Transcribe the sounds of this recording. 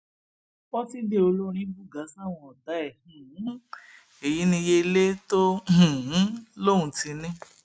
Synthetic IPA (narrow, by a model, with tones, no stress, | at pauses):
wɔ˦ti˦de˦o˧lo˦ɾ̃ĩ˦bu˦˨ɡa˨˦sa˦˨w̃ɔ̃˧ɔ˨da˨˦ɛ˦˨hũ˨˦ | e˨ji˨˦nĩ˧je˧le˦to˦h̩˨˦lo˦˨ũ˨˧ti˨˧˦nĩ˦